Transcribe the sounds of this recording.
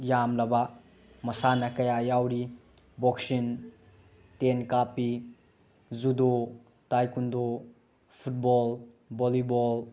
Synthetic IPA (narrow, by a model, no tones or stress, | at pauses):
jamlɐbɐ | mɐsanɐkɐjajawɾi | bɔksin | tenkapi | zudo | tajkundo | pʰut̚bɔl | bolibɔl